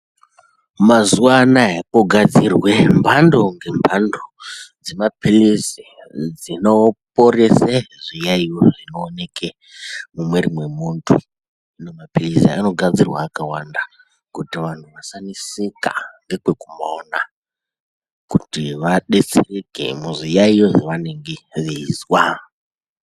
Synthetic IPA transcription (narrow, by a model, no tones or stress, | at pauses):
mazuwanaɦekoɡʱad͡zirwe̞mbʱando̞ŋɡe̞mbʱandod͡zemapilizi | d͡zinopo̞ɾeseʐijaijoʐino̞ːne̞ke | mumwe̞rimwe̞muntʰṵ | inomapilizḭa̰no̞ɡʱad͡zirwa̰ːkawanda | kutiʋan̤uʋasanisika̰ŋɡe̞kwe̞kumaona | kutiʋaɗe̞t͡serekḛmuʐijaijoʐiʋaneŋɡeʋiizwa